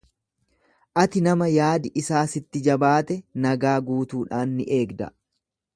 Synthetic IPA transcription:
ʔɐt̪ɪnɐmɐjaːd̪ɪʔɪsaːsɪt̪ːɪd͡ʒɐbaːt̪ɛnɐɡaːɡuːt̪uːᶑaːnːɪʔe̞ːɡd̪ɐ̰

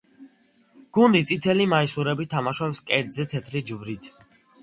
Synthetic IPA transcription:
ɡ̥und̪it̪sʼit̪ʰɛlimaisuɾɛbit̪ʰamaʃɔpskʼɛɾd̪zɛt̪ʰɛt̪ʰlid͡ʒvɾit̪ʰ

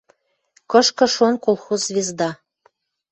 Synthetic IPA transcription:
kɤ̆ʃkɤ̆ʃonkolˠxuzzvʲezd̪ɑ

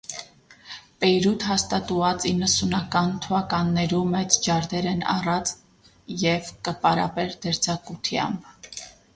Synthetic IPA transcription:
pɛjɾut̪ɦɑst̪ɑt̪uvɑt͡sinːəsunɑkɑnt̪ʰuɑkɑnːɛɾumɛt͡sd͡ʒɑɾd̪ɛɾɛnɑ̰rɑt͡s | jɛvkəpɑɾɑ̰pɛɾd̪ɛɾt͡sɑkut̪ʰjɑ̰mb

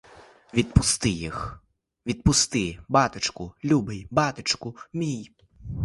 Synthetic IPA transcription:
ʋʲid̪̚pʊst̪ɪjix | ʋʲid̪̚pʊst̪ɪbɑt̪ɪt͡ʃkʊlʲubɪjbɑt̪ɪt͡ʃkʊmʲij

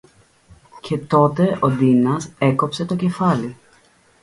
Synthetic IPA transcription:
ce̞t̪o̞t̪e̞ʔo̞d̪inɐse̞ko̞pse̞t̪o̞ce̞fɐli

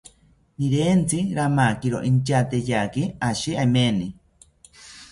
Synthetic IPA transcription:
niɾent͡siɾamakiɾo̰ʔint͡ʃat̪ejakiaʃiameni

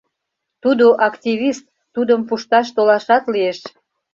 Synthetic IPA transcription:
t̪ud̪oʔɑkt̪ʲiβist̪ːud̪əmpuʃt̪ɑʃt̪olɑʃɑt̪lieʃ

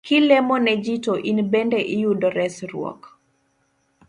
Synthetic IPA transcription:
kilɛmɔnɛd͡ʒitoʔinbɛndɛʔijudɔɾɛsɾw̰ɔ̰k

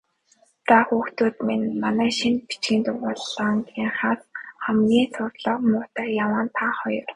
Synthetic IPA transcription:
t̪axuːxt̪uːt̪menmanæːʃinpi̥t͡ɕɡiːnt̪ʊpɔɮaŋkiɴχaːsχæmɡiːsʊrɮə̆qmʊːt̪æːjawaːnt̪ʰaχɔjɞ̆r

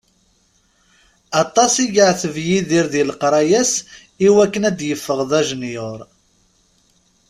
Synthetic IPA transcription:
ɑt̪ˤːɑsiɡəʕθəvjiðiɾðilqɾˤɑjæs | iwækːənæd̪jəfːəʁðæʒnjoɾˤ

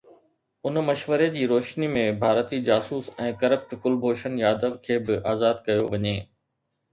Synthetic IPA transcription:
ʊnmɐʃʋəɾed͡ʑiːɾoːʃnimẽbʱaːɾt̪id͡ʑaːsuːsɛ̃ːkɐɾəp̚ʈkʊlbʱoːʃənjaːd̪əʋkʰeːbɪʔaːzaːd̪kɐjoʋɐɲeː

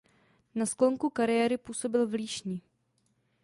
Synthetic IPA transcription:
naskloŋkukaɾɪjɛːɾɪpuːso̞bɪlvliːʃɲɪ

